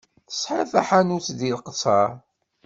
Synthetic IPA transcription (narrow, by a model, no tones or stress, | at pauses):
θə̥sˤħəθæħanut͡sðilqəsˤɑɾˤ